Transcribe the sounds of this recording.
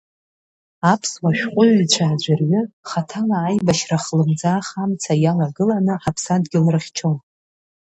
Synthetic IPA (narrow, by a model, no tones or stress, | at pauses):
apʰswaʃᶣqʷʼʊɥit͡ɕʷʰaːd͡ʑʷarɥʏχatʰalaːjbaʃraχlɨmd͡zaːχamt͡sʰajalaɡɨlanɨħapʰsadɡʲɪlrɨχʲt͡ʃʰon